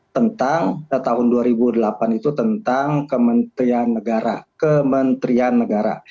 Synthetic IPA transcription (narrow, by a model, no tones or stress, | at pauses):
t̪ənt̪aŋət̪aɦʊnduaɾibudəlapanit̪ut̪ənt̪aŋkəmənt̪ɾianːəɡaɾa̰kəmənt̪ɾianːəɡaɾa̰